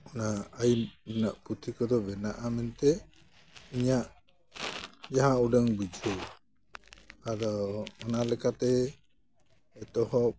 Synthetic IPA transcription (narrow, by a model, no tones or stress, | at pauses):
ɔnaajmnaʔput̪ʰikɔd̪ɔbɛnaʔamɛnt̪ɛ | iɲaʔ | d͡ʒaɦãuɖəŋbud͡ʒʱɔ | ad̪ɔːnalɛkat̪ɛ | ɛt̪ɔhɔ